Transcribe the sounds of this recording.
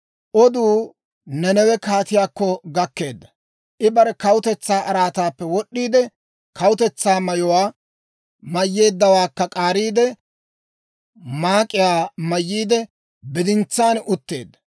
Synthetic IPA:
ʔɔd̪uː | nɛnɛwɛkaːt̪ɪjaːkːɔɡɐkːe̞ːd̪ːɐ | ʔɪbɐɾɛkɐwʊt̪ɛt͡sːaːʔɐɾaːt̪aːpːɛwɔɗːiːd̪ɛ | kɐwʊt̪ɛt͡sːaːmɐjɔwaː | mɐjːeːd̪ːɐwaːkːɐkʼaːɾiːd̪ɛ | maːkʼːɪjaːmɐjːiːd̪ɛ | bɪd̪ɪnt͡sːaːnʊt̪ːe̞̰ːd̪ːɐ̥

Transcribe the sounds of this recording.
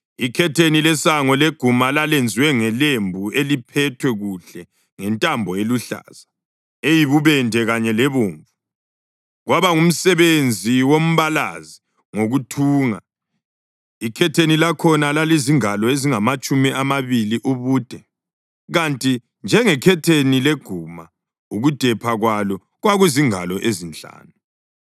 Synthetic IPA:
ikʰɛtʰenilɛsaŋɔleɡ̥ʱumalalend͡zʱiwɛŋɛlembʱuelipʰɛtʰwɛɣuɬɛ | ŋɛntʼambʱɔeluɬa̰ːz̥a | ejiβuβɛndʱɛɣaɲɛlɛβoːɱvu | ɣwaβaŋum̩sɛβend͡zʱiwom̩βala̰zi | ŋoɣutʰuːŋa̰ | ikʰɛtʰenilakʰɔnalaliziŋalɔeziŋamat͡ʃʼumiʔamaβiliʔuβuːd̥ʱɛ | ɣantʼi | nd͡ʒʱɛŋɛkʰɛtʰenileɡ̥ʱuma | uɣud̥ʱɛpʰaɣwalɔ | ɣwaɣwiziŋalɔʔezint͡ɬʼa̰ːnu

